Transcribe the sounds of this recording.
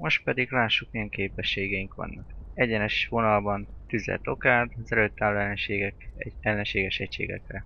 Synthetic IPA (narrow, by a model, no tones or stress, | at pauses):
mo̞ʃt̪pɛd̪iɡlaːʃːukmijɛŋkeːpɛʃːeːɡɛjiŋkʋɒ̰nːɒkɛɟɛnɛʃʋo̞nɒlbɒnt̪yzɛ̰lt̪o̞kaːd̪ɒzɛløːt̪ːaːlːoɛlːɛnʃeːɡɛkɛɛlːɛnʃeːɡɛʃɛcʃḛːɡɛ̰krɛ